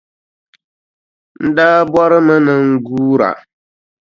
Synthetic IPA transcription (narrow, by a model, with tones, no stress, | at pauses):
n̩˦daː˦bɔ˦ɾɨ˦mɨ˦nɨ˦ŋ̩˦ɡuː˦ɾa̰˨